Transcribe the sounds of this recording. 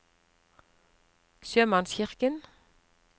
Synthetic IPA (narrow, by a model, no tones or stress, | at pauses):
søːmɑnsçɪʁkən